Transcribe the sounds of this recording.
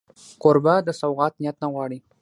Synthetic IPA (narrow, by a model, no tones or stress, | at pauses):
koɾbad̪əsawɣɑt̪nijat̪naɣwɑɽi